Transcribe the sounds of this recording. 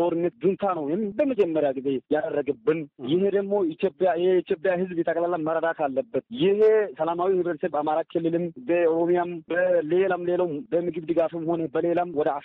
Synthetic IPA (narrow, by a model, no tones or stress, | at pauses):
oɾɨnːət̪d̪ɨnt̪ʰanəwjɛmbəməd͡ʒʼɛmːəɾjaɡize̞jad̪ərːəɡɨbːɨnjɪɦed̪əɡmːo̞it̪ʰjopʼːjajɛeit̪ʰjopʼjaɦɨzbjɛt̪ʰʼəkʼlalaməɾəd̪at̪ʰalːəbːət̪jɪhesəlamawihɨβɾət̪sebamaɾakʰɨlːɨlɨmbəɾomijambəle̞lamlelawmbəmɨɡɨβd̪ɨɡafɨmho̞nəbəle̞lamwɔd̪əa